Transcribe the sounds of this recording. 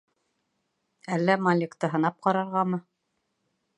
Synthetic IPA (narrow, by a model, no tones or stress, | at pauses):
ælːæmɑlʲɪkt̪ɤɦɤ̆nɑp̚qɑɾɑɾʁɑmɤ